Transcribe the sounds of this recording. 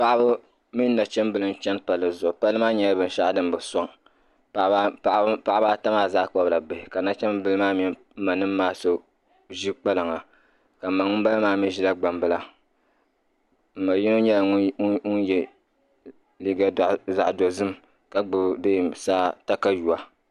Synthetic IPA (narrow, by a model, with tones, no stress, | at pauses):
pa˦ʔa˦bɨ˦ | mi˦n˦na˨t͡ʃɛ˦mbɨ˦lɨ˦n˦t͡ʃɛ˦npa˨lɨ˨zʊ˨pa˦lɨ˦maː˦ɲɛ˦la˦bɨ˨n˦ʃa˦ʔdɨ˦m˦bɨ˨sɔ˦ŋ˨˦ | a˨ʔpa˦ʔa˦baː˦ta˦maː˦˨zaː˦k͡pɔ˦bla˨ba˨hɪ˨ka˨na˦t͡ʃɛ˦mbɨ˦lɨ˦maː˦mi˦ | ma˨nɨ˦m˦maː˦so˦ | ʒi˦k͡pa˦lɨ˨ŋa˨ | ka˨ma˨ŋʊ˦m˦ba˦la˦maː˦mi˦ʒi˦la˦ɡ͡ba˨mbɨ˦la˦ | m̩˨ma˨ji˦no˦ɲɛ˦la˨ŋ˦ŋu˦njɛ˦ | li˦ɡa˦˨za̰˨ʔdo˨zɨ˦m | ka˦ɡ͡bɨ˨de˦˨saː˦ta˦ka˦ju˨a˨